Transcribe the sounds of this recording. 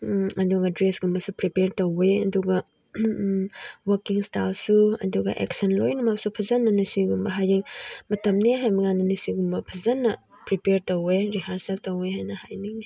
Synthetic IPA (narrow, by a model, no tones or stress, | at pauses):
ɐduɡɐdɾesɡumbɐsupɾipeɾtoweɐduɡɐ | wɐɾkiŋstalsuɐ̰duɡɐ̰ʔḛksɐnlojnumɐk̚supʰɐzɐnːɐnisiɡumbɐɦajiŋmɐtɐmneɦajmɐŋanɐnisiɡumbɐpʰɐzɐnːɐ | pɾipeɾtoweɾiɦaɾseltoweɦajnɐhajniŋ